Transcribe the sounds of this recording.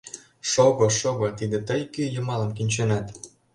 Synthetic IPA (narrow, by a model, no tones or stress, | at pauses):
ʃoɣoʃoɣot̪id̪ĕt̪əjkyjəmɑləmkinʲt͡ɕønɑt̪